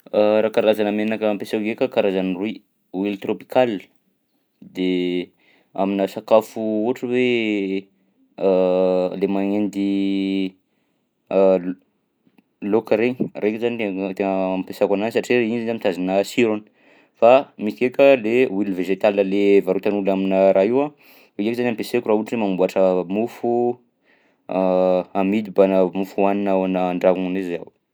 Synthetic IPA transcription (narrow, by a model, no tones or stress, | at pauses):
ɾakaɾazanəmenakəmpesakkekʲakaɾazanrui | wilt̪ropi̥kalə̥ | d̪e | a̰minəsakafuuaʈ͡ʂəwe | lemaŋend̪i | lokəɾeɲirʔekʲuzanit̪et̪eŋəmpesakananisaʈ͡ʂieinzizamit̪azanəsiɾonə̥ | famisi̥kekʲəlewilveʒet̪alnəlevaɾut̪anulaminəɾaɦiwa | eekzanampesekurauʈ͡ʂemambuaʈ͡ʂəmufu | amid̪ibanəmufuaninawanəːɳɖ͡ʐakuŋunezaw